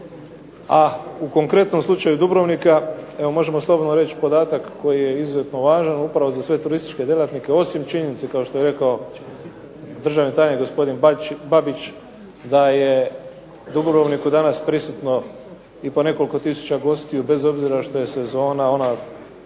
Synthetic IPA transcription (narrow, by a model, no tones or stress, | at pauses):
auko̞ŋkɾe̞t̪no̞mslˠut͡ʃajud̪ubɾo̞ʋnikae̞ʋo̞mo̞ʒe̞moslˠobo̞d̪noɾe̞t͡ɕpo̞d̪aːt̪akːo̞jije̞izuzet̪no̞ʋaːʒanupɾaʋo̞zasʋe̞t̪uɾist̪i̥t͡ʃke̞d̪je̞lat̪nike̞o̞simt͡ʃiɲe̞nit̪sekao̞ʃt̪oeɾe̞kao̞ | d̪r̩ʒaʋnit̪ajɲeɡo̞spo̞d̪inbabit͡ʃ | d̪aje̞ | d̪ubɾoʋnikud̪anaspɾisut̪no̞ | ipo̞ne̞ko̞liko̞t̪isu̥t͡ɕaɡo̞st̪ijube̞zo̞bziɾaʃt̪o̞je̞se̞zo̞ːnao̞na